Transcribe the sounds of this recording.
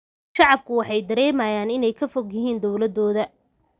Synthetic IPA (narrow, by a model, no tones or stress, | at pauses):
ʃɑʕɑb̚kʰʊwɑħɑjd̪ɐɾɛːmɐjaːnɪnɛjkʰɐfɔɡjɪɦiːnd̪ɔwlɐd̪ɔːðɐ